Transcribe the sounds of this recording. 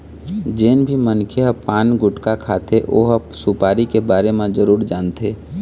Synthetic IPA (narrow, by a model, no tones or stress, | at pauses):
d͡ʒeːnbʱimənkʰeɦəpaːnɡʊʈkakʰaːt̪eʔo̰ːɦsupaːɾikebaːɾemẽd͡ʒəɾuːɾd͡ʒaːnt̪ʰeː